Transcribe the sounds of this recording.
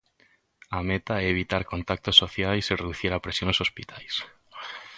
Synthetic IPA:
amet̪aeeβ̞it̪aɾkont̪ak̚t̪osːoθjajsireðuθiɾapɾesjonesospit̪ʰajs

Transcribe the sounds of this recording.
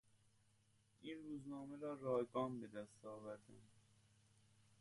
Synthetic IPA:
ʔiːnruːznɒːmeɾɒːɾɒːhɡɒːmbe̞d̪æst̪ɒːvæɾd̪æn

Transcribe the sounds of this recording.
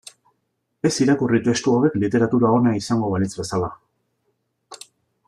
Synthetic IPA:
e̞siɾakurit̪e̞st̪uaβe̞klit̪e̞ɾat̪uɾao̞naisaŋɡo̞βalit͡sβe̞sala

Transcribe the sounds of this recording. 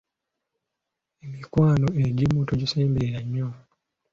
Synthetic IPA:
emikwaːnoeɟimuːtoɟiseːmbeɾeɾaɲːo

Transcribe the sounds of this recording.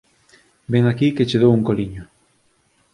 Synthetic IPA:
beŋakiket͡ʃeðowuŋkoliɲʊ

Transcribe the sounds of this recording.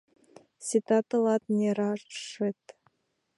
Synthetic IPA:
sʲit̪ɑt̪ɤlˠɑt̪nʲeɾɑʂɘt̪

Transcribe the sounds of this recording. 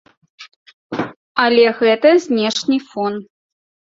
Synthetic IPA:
alʲɛɣɛt̪əzʲnʲeʂnʲifon

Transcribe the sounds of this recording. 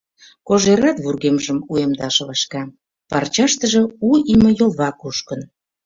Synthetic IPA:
koʒeɾɑt̪βurɣemʒəmuemd̪ɑʃɤβɑʃkɑ | pɑrt͡ɕɑʃt̪ə̆ʒɤ̆uimə̆jolˠβɑkuʃkən

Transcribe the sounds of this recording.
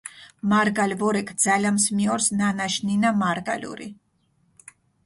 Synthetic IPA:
maɾɡalvɔɾɛkʰd̪z̥alamsmiɔɾsnanaʃninamaɾɡa̰lʲṵɾḭ

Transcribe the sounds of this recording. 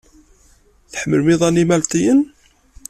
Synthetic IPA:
θħəməlmɪðˤænimælt̪ˤijən

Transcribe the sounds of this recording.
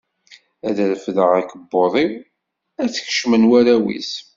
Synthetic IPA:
æðæðfðəʁækəbːoðˤiw | æt͡sːç̥ʃmənwæɾæwḭs

